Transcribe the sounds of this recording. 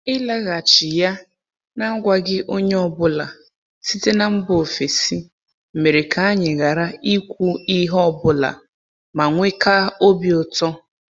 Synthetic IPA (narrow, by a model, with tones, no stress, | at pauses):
ɪ˦la˦ɣa˨t͡ʃɪ˨ja˦ | na˦ɡʷa˨ɡɪ˦ʔo˦ɲe˦ɔ˨bʊ˦la˨ | si˦te˦na˦m̩˦bo˨o˨fe˨si˦ | m̩˨me˨ɾe˨ka˨a˦ɲɪ˨ɣa˨ɾa˦i˦kʷu˦i˦ɦɔ˦bʊ˦la̰˨ | ma˨ŋʷe˦ka˦o˦bjɔ˨tɔ˦